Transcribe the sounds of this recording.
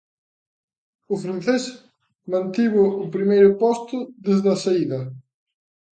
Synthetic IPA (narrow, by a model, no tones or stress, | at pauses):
ʊfɾanθes | mãnt̪iβʊːpɾimejɾʊpɔst̪ʊðezðɐsaiðɐ